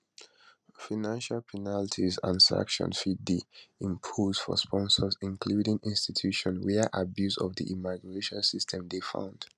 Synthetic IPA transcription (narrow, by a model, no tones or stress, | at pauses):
fanãnʃalpʰɛnaltʰizã̰nsa̰kʃɔ̰̃nfid̚diĩmpʰoz̥fɔ̰spʰɔ̃nsɔzĩnkʰludĩŋĩnstitʰuʃɔ̃nwɛʔabjuzɔ̰vdḭʔimaɡɹeʃɔ̃nsistʰɛ̃mdefã̰ʊ̃nd̥